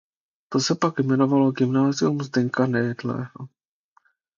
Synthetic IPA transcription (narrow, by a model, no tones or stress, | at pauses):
t̪o̞sɛpakjmɛno̞valo̞ɡɪmnaːzɪumzdɛɲkanɛjɛdlɛ̰ːɦo